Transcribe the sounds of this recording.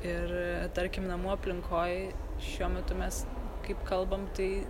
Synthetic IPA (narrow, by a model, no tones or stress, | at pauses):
ɪɾt̪ɐɾʲkʲɪmnɐmuɐpʲlʲɪŋkʰoːjʃʲuɔmʲɛt̪ʊmʲɛskɐɪpkɐlˠbɐmt̪ɐɪ